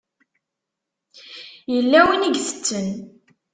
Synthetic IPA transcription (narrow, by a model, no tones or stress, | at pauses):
jəlːæwiniɡθə̥t͡sːən